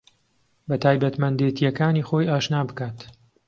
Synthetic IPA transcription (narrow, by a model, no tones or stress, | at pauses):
bɐt̪ʰaːjbɐt̪mɐnd̪et̪ijɛkaːniːxo̞ːjaːʃnaːbɨkaːt̪